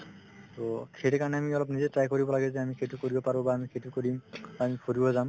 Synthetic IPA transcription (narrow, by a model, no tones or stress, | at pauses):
tɔkʰeɾɛkaɹɔnɛamiɔlɔp̬nizɛtɹajkoɹibɔlaɡɛzɛamikʰetukoɹibɔpaɹbɔbaːmikʰetukoɹimamipʰoɹibɔzam